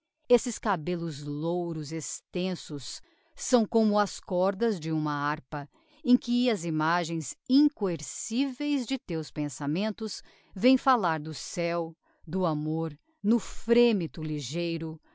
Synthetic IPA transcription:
esɪskabelʊzlowɾʊzest̪ẽsʊsː | ɐ̃w̃kõmʊɐskɔɾd̪ɐzd͡ʒɪũmɐaɾpɐ | ẽkɪɐzimaʒẽj̃zĩŋkoeɾsivejzd͡ʒɪt̪ewspẽsamẽnt̪ʊs | vẽj̃falaɾd̪ʊsɛw | d̪ʊamoɾ | nʊfɾẽmit̪ʊliʒejɾʊ

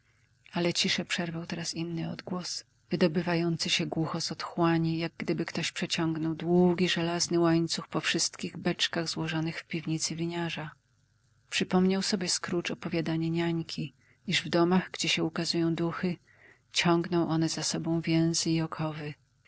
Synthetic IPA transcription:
alɛt͡ɕiʂɛpʂɛɾvawt̪ɛɾasinːɘɔd̪ɡwɔs | v̥ɘd̪ɔbɘvajɔnt̪sɨɕɛɡwuxɔzɔt̪xwaɲijaɡ̚ɡd̪ɘbɘkt̪ɔɕpʂɛt͡ɕɔ̃ŋɡnɔwd̪wuɡʲiʐɛlaznɘwaɲt̪suxpɔfʂɘst̪kʲiɣbɛt͡ʂkaɣzwɔʐɔnɘxfpʲivɲit̪sɘvʲiɲaʐa | pʂɘpɔmɲawsɔbʲjɛskɾut͡ʂɔpɔvʲjad̪aɲɛɲaɲkʲi | iʐvd̪ɔmaɣɡd͡ʑɛɕɛukazujɔ̃w̃d̪uxɘ | t͡ɕɔŋɡnɔ̃w̃ʔɔnɛzasɔbɔ̃w̃vʲjɛ̃w̃zɘiɔkʰɔvɘ

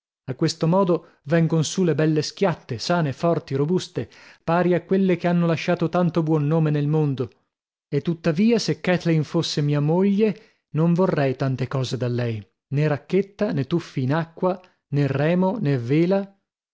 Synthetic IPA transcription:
akːwest̪omɔːd̪o | vɛŋɡonsulebɛlːesk̟jat̪ːesaːnefɔrt̪iɾobust̪epaːɾiakːwelːekeanːolaʃːaːt̪ot̪ant̪obwɔnːoːmenelmond̪o | et̪ːut̪ːaviːasekːɛt̪lejnfosːemiːamoʎːe | noɱvorɛjt̪ant̪ekɔːzed̪alːɛj | neɾakːet̪ːanet̪ufːiːnakːwa | nerːɛːmonevːeːla

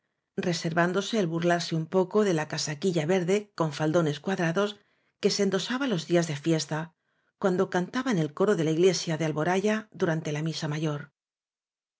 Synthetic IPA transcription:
re̞se̞ɾβand̪o̞se̞ːlβurlaɾse̞umpo̞ko̞ðe̞lakasakiʎaβe̞ɾðe̞ko̞ɱfald̪o̞ne̞skwaðɾaðo̞s | ke̞send̪o̞saβalo̞zðiazðe̞fje̞st̪a | kwand̪o̞kant̪aβaene̞lko̞ɾo̞ðe̞laiɣle̞sjaðealβo̞ɾaʝaðuɾant̪e̞lamisamaʝo̞ɾ

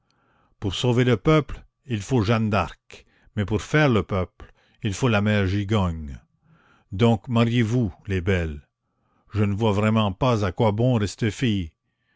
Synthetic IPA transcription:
puʁsoveləpœpl | ilfoʒãnd̪aʁk | mɛpuʁfɛːʁləpœpl | ilfolamɛːʁʒiɡaɲ | d̪ɔ̃kmaʁjevulebɛl | ʒənəvwavʁɛmɑ̃pazakwabɔ̃ʁɛst̪əfij

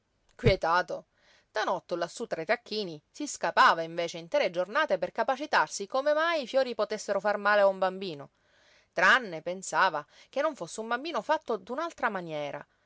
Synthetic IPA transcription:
kwjet̪aːt̪o | d̪̥anɔt̪ːelasːut̪ːɾait̪akʰːiːnisiskapaːvaiɱveːt͡ʃeint̪ɾed͡ʒornaːt̪eperkapat͡ʃit̪arsikomemajːfjoːɾipot̪esːeɾofarmaːleaumbambiːno | t̪ɾaanːepensaːva | k̟enːoɱfosːeumbambiːnofat̪ːod̪unalt̪ɾamanjɛːɾa̰

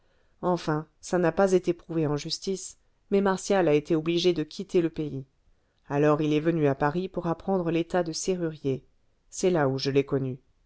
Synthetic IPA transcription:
ɑ̃fɛ̃sanapazet̪epχuveɑ̃ʒyst̪is | mɛmaʁsjalaet̪eɔbliʒed̪əkʲʰit̪eləpei | alɔʁilɛvənyapaʁipuʁapχɑ̃d̪ʁəlet̪ad̪əseʁyʁje | sɛlauʒəlɛkɔny

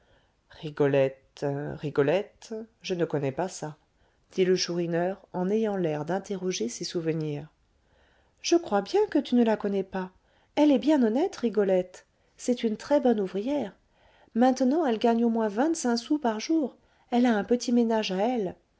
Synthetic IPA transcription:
ʁiɡɔlɛt̪ʁiɡɔlɛt̪ʒənəkɔnɛpasa | d̪̥iləʃuʁinœʁɑ̃nɛjɑ̃lɛʁd̪ɛ̃t̪eʁɔʒesesuvəniːʁ | ʒ̥əkχwabjɛ̃kət̪ynəlakɔnɛpa | ɛlɛbjɛ̃nɔnɛt̪ʁiɡɔlɛt̪ | sɛt̪ynt̪χɛbɔnuvʁijɛʁ | mɛ̃t̪nɑ̃ɛlɡaɲomwɛ̃vɛ̃t̪sɛ̃supaʁʒuʁ | ɛlaɛ̃pət̪imenaʒaɛl

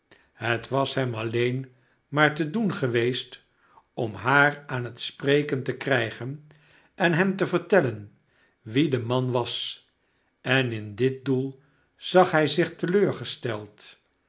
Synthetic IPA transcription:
ɦətʋɑsɦɛmɑlejn | maːɹtədunχəʋejst | ɔmɦaːɹaːnɦətsprejkəntəkrɛjχən | ɛnɦɛmtəvəɹtɛlən | ʋidəmɑnʋɑs | ʔɛnɪndɪt̚dulˠ | z̥ɑχɦɛjzɪχtəløːɹχəstɛlˠt

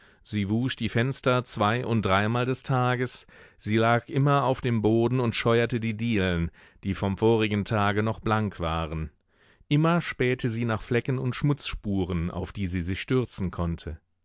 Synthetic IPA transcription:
z̥iːvuːsd̥iːfɛnstɐt͡sv̥aɪʔʊnt̚d̥ʁaɪmaːldɛstʰaːɡəsz̥iːlaːkʔɪmɐaʊfd̥eːmboːdn̩ʊntʃɔʏɐtədiːdiːln | d̥iːfɔmfoːʁɪɡn̩tʰaːɡənɔχb̥laŋkv̥aːʁən | ʔɪmɐʃpɛːtʰəziːnaːχflɛkn̩ʊntʃmʊt͡sʃpuːʁəna̰ʊfd̥iːziːzɪçʃtʏɐt͡sn̩kʰɔntʰə

